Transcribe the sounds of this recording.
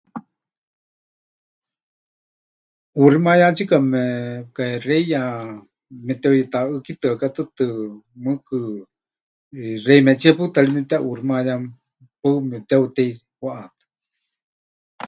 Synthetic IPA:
uɾimajat͡ʃikamɛkareja | mɛt̪ɛwjɛt̪aɨkit̪ɨakat̪ɨt̪ɨmɨkɨ | rejmɛt͡ʃiapɨt̪alimɛt̪ɛʔuɾimajam | pɨmɛt̪ɛut̪ɛi | waʔat̪ɨ̥

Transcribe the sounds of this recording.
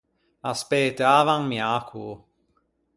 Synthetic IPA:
aspeːt̪əaːvaŋmjaːkʰu

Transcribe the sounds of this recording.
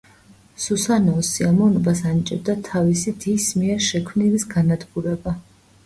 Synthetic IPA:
susanɔɔsiamɔvnɔbasanit͡ʃʼɛb̚d̪at̪ʰavisid̪ismiɛɾʃɛkʰmnilisɡanad̪ɡuɾɛba

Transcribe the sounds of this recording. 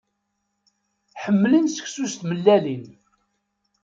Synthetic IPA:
ħəmːlənsə̥çsust̪məlːælin

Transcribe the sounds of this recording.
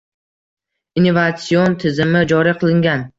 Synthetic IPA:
inːovat̪siont̪ʰɪzɪmɪd͡ʒɒɾiqʰɨlˠɪŋʲan

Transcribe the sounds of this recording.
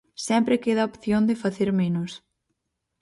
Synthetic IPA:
sɛmpɾɪkeðaopθjond̪ɪfaθeɾmenʊs

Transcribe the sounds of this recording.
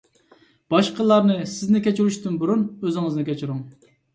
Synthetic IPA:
b̥ɑʃqəlˠːɑɾnɨsɪznɪkʲɛt͡ʃyɾyʃt̪ynbuɾunøzɪŋɨznɨkʲʰɛt͡ʃʰiɾuŋ

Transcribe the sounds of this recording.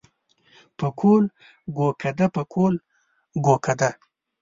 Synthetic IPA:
pəkʰol | ɡokʰad̪apəkʰol | ɡokʰad̪a

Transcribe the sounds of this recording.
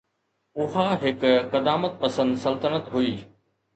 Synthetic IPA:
ʊɦaɦɪkkɐd̪aːmət̪̚pɐsə̃nd̪sɐlt̪ənət̪ɦuiː

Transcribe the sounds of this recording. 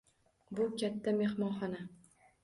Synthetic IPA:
bʊkʲʰat̪ʰːame̞hmɒnχɒna

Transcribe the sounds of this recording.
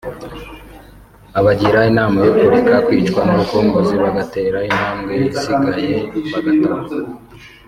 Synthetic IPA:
aβaɟiɾainaːmajokoɾikakwiːt͡ʃkwanaβakoːŋɡoziβaɡate̞ːɾaim̥haːmɡeβasiɡajeβaɡatoɾaa

